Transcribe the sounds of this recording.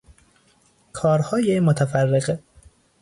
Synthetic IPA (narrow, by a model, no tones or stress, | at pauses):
kʰɒːɾhɒːjemot̪ʰæfærːeɣe